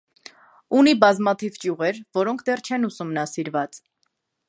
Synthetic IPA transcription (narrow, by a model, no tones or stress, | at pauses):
unibɑzmɑt̪ʰivt͡ʃjuʁɛɾvɔɾɔŋkʰd̪ɛrt͡ʃʰɛnusumnɑsiɾvɑt͡s